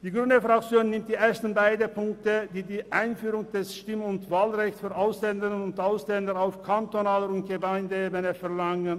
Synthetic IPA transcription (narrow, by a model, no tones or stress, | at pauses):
d̥iːɡʁyndəfʁ̥ak̚t͡sjoːnːɪmtd̥iːʔeːɐstn̩baɪdəpʊŋk̚tədiːdiːʔaɪnfyːʁʊŋd̥ɛsʃtɪmʊntv̥aːlʁɛçt͡ssfyːɐʔaʊslɛndɪənʊntʔaʊslɛndəʁaʊfkʰantonaːləʊnt̚ɡ̥əmaɪndəeːbənəfɛɐlaŋən